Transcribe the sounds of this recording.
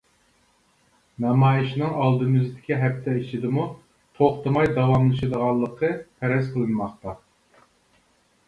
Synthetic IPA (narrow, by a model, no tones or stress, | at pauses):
nɑmɑːjiʃnɨŋɑlˠd̪ɨmɨzɨd̪ɪkʲiɦɛp̚t̪ʰɛit͡ʃʰid̪ɪmu | t̪ʰoχt̪ɨmɑjd̪ɑwɑmlˠɨʃɨd̪əʁɑlˠːəqʰəpʰɛɾɛzqʰəlˠɨnmɑχt̪ɑ